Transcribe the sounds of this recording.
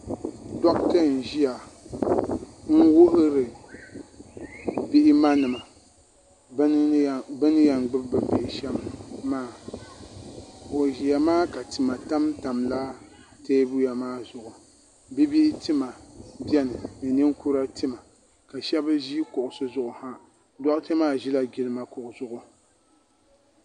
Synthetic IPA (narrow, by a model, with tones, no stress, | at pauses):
dɔ˦ktɨ˦˨n̩˨ʒi˦ja˨ | ŋ̩˦wʊ˦ʔʊ˦ɾɨ˨ | bi˦ʔɪ˦ma˦nɨ˨ma˨˦˨ | bɨ˦n˦ja˨ŋɡ͡bɨ˦bba˨be˨ʔʃɛ˦ma˨maː˨ | o˨ʒi˨ja˨maː˦ka˨tɨ˨ma˨ta˦mta˨mla˦ | teː˦bu˦ja˨maː˦zʊ˨ʔʊ˨ | bi˦bi˦ʔɪ˦tɨ˦ma˨bjɛ˦nɨ˨nɨ˨nɨ˦ŋku˦ɾa˦tɨ˦ma˨ | ka˨ʃɛ˦ba˦ʒi˦kʊ˨ʔʊ˨sɨ˦zʊ˦ʔʊ˨ha˦ | dɔ˦ʔte˦maː˦˨ʒi˦la˦ɡʲi˦lɨ˦ma˦kʊ˨ʔʊ˨zʊ˦ʔʊ˦